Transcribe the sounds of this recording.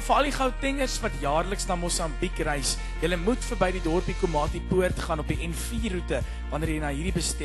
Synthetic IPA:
fəɐldiχɐwtɛŋərsvɐtjɑːrləksnɑːmɔsɐmbikrɛjs | jələmutfərbɛjdidɔrpikomɑːtipuərtχɑːnɔpiɛnfiːrutə | vɐnərjəjnɑːɦiːɾdibəstɛ

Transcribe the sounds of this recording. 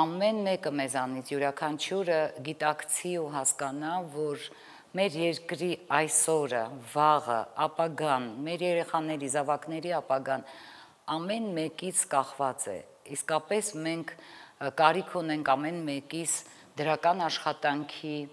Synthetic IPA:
ɑmɛnmɛkəmɛzɑnit͡sʰjuɾɑkʰɑnt͡ʃʰuɾəɡit̪ɑkt͡sʰiuɦɑskɑnɑvɔɾ | mɛɾjɛɾkɾiɑjsɔɾəvɑʁə̰ɑpɑɡɑnmɛɾjɛɾɛχɑnɛɾizɑvɑknɛɾiɑpɑɡɑn | ɑmɛnmɛkit͡sʰkɑχvɑt͡sɛ̰ | iskɑpɛsmɛŋkʰkɑɾikʰunɛŋkʰɑmɛnmɛkit͡sʰ | d̪əɾɑkɑnɑʃχɑt̪ɑŋkʰi

